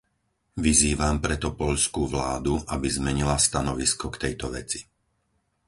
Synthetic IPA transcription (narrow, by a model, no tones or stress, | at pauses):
ʋiziːʋampɾɛt̪ɔpɔʎskuʋlaːd̪uʔabizmɛɲilast̪anɔʋiskɔkt̪ɛjt̪ɔʋɛt͡si̥